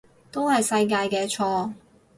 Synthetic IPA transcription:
t̪o˥whɐ˨jsɐ˧jk̬aː˧jkɛː˧t͡ʃʰɔː˧

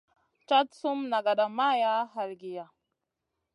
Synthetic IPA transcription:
t͡ʃa˦tsu˦mna˨ɡa˨ɗa˨ma˦ja˦ɦa˨lɡi˨ja˨

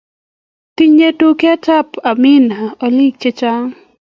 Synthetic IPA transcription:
t̪i˦ɲe˦tu˦kɛ˦t͡ʃa˦pa˨mɪ˦na˨o˨li˦k̚t͡ʃe˦t͡ʃa˦ŋ

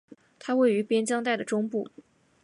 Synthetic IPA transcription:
t̪ʰa˥we˥˩ɪy˧˥pjɛ˥nt͡ɕjɑ˥ŋt̪a˥˩ɪd̪ə˩ʈ͡ʂʊ˥ŋpu˥˩

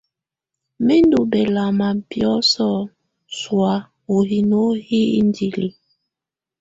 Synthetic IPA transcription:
me˦ndu˨bɛ˨la˨ma˨pjɔ˦sɔ˦ | swa˨˦ | o˨ɦi˨no˦hi˦n˦di˨li˨

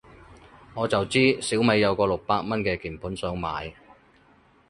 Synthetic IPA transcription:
ŋɔː˨˧t͡sɐ˨wt͡siː˥siː˨˥wme˨˧jːɐ˨˧wkɔː˧lʊ˨k̚paː˧t̚mɐ˥nkɛː˧kiː˨˩npʰuː˨˥nsœː˨˥ŋma̰ː˨˧j

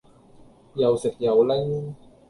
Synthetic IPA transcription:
jɐ˨˩wsɪ˨˩k̚jɐ˨˩wlɐ˥j

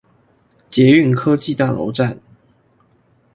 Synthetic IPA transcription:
t͡ɕjɛ˨˥y˥˨nkʰɤ˦t͡ɕi˥˧˨t̪a˥˩lo̰˧˦ʊʈ͡ʂa˥˨n

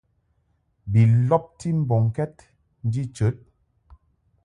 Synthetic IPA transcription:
bi˨lɔ˦p̚ti˦m̩˦bɔ˨ŋ˨kɛ˦t̚ | n̩˦di˦t͡ʃə˨˦t̚

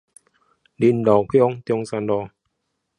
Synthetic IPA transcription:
di˧˨ndɔː˨˩kʰi˦o˧ŋt̪i˧o˧ŋsa˧ndɔ˧

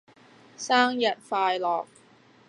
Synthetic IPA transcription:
saː˥ŋjɐ˨t̚faː˧jlɔː˨˩k̚

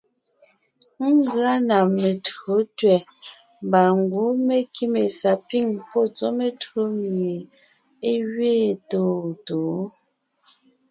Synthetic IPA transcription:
ŋ˦ɡɰa˦na˨me˨tɰo˨˦tɥɛ˨ | mba˨ŋɡwo˨˦me˨ki˦me˨sa˨pi˦˨ŋpɔ˦˨t͡so˦me˨tɰo˦mje˨ | e˦ɥɥeː˦˨to˦˨toː˨˦

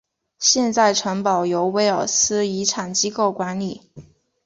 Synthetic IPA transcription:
ɕjɛ˥˧nt͡sa˥˩ɪʈ͡ʂʰɤ˧˥ŋpɑ˨˩ʊjo˧˥ʊwe˧˥ɪə˞˨˩sɹ̩˥i˧˥ʈ͡ʂʰa˨˩nt͡ɕi˥ko˥˩ʊkwa˧˥nli˨˩˦

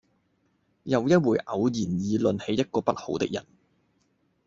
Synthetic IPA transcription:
jɐ˨˧wjɐ˥t̚wuː˨˩jʔɐ˨˧wjiː˨˩njiː˨˧lɵ˨˧nhe˨˧jɐ˥t̚kɔː˧pɐ˥t̚ho˨˥wt̪ɪ˥k̚jɐ̰˨˩n

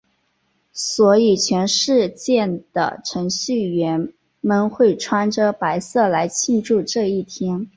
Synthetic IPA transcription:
swɔ˧˥i˨˩t͡ɕʰɥɛ˧˥nʂɻ̩˥˧t͡ɕjɛ˥˩nd̪̥ə̰˩ʈ͡ʂʰɤ˧˥ŋɕy˥˩ɥɛ˧˥n | mə˥˧nxwe˥˩ɪʈ͡ʂʰwa˥nʈ͡ʂə˧pa˧˥ɪsɤ˥˩la˧˥ɪt͡ɕʰi˥˧nʈ͡ʂu˥˧ʈ͡ʂɤ˥˧i˥˩t̪ʰjɛ˥n

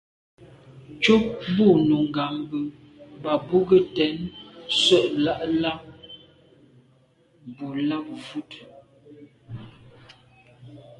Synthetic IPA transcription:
t͡ʃo˦p̚bu˦˨nu˨ŋ˨ɡa˨mbə˨ | ba˨bu˦ɡə˦tɛ˨˦nsə˦˨ʔla˦˨ʔla˦p̚ | bu˨la˦p̚vu˦t

